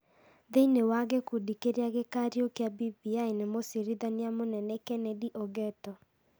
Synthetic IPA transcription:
ðeinewaɣekudikeɾeaɣekaɾiokeabibiainemosiɾiðaniamonɛnɛkɛnɛdiʔɔɡɛtɔ

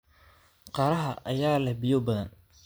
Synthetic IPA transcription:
qɑːɾɐɦɐʔɐjaːlɛhbɪjɔbɐðɐn

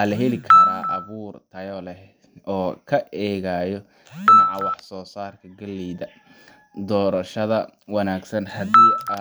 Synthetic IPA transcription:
aːlɐɦɛlɪkʰɐɾaːʔɐβuːrt̪ʰɐjɔlɛ | ɔːkʰɐʔɛːɣaːjɔ | ɖɪnɑʕɑwɑħsɔːsaːrkʰɐɡɐlːɛːðɐ | d̪ɔːɾɐʃɐðɐwɑnaːɡsɐnhɐd̪iː

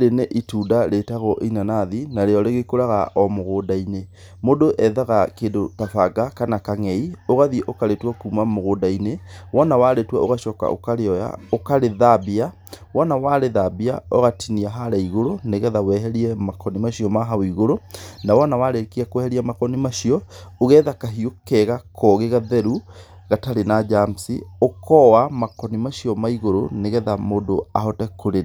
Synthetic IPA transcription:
ɾeneʔituːdaɾetaɣɔʔeinanaðinaɾeɔɾeɣekoɾaɣaʔɔmoɣoːdaine | modoʔɛðaɣakedotafaɡakanakaŋɛioɣaðiʔokaɾetwakuːmamoɣoːdainewɔnawaɾetwaoɣaʃɔka̰ʔo̰kaɾeɔja̰okaɾeðabia | wɔnawaɾeðabiaoɣatʰiniaɦaɾaiɣoɾoneɣɛðawɛɦɛɾiɛmakɔnimaʃiɔmaɦawiɣoɾonawɔnawaɾekiakwɛhɛɾiamakɔnimaʃiɔoɣɛːðakaɦiokɛɣakʰɔɣeɣaðɛɾu | ɣataɾenad͡ʒamsḭokʰɔwamakɔnimaʃiɔmaiɣoɾoneɣɛðamodoahɔtɛkoɾe

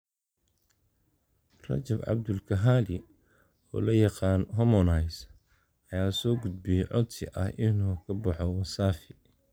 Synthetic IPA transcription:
rɐ̰t͡ʃɐbʕɑ̰bd̪ʊlkʰɐɦaːlɪ | ɔ̰ːlɐjɑqɑːnɦɔmɔnɐjs | ɐjaːsɔːɡʊd̪̚bɪjɛʕɔ̰d̪sɪ̰ʔɐ̰hʔɪnuːkʰɐbɑħɔwɐsaːfɪ

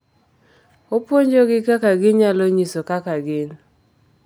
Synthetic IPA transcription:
opwoɲd͡ʒoɡɪkakaɡɪɲaloɲisokakaɡɪn

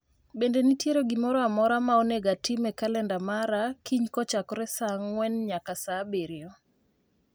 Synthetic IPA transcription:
bendenitjeɾoɡɪmɔɾɔamɔɾamaoneɡatimɛkalɛndamaɾakiɲkɔt͡ʃakɾɛsaŋwɛnɲakasabeɾɪɔ

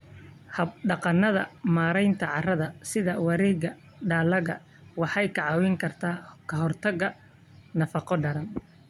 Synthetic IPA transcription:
hɐbɖɑqɑnːɐðɐ̰maːɾɛjnt̪ʰɐʕɑrɐðɐsɪðɐwɑɾiːɣɐ | ɖaːlɐɣɐ̰ | wɑħɑjkʰɐʕɑwɪŋkʰɐrt̪ʰaːkʰɐɦɔrt̪ʰɐɣɐ | nɐfɑqɔɖɐɾɐn

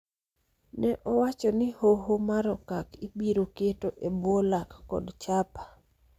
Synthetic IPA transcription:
nɛʔɔwat͡ʃɔnɪhoɦomaɾɔkakibiɾoketoʔebwolakːɔ̰dt͡ʃapḁ

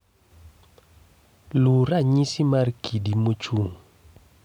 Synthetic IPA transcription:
luɾaɲisimarkʰidimot͡ʃuŋ

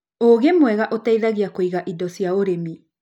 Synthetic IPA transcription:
oɡemoeɣaʔotajðaɡiakojɡaʔidosiaoɾemi

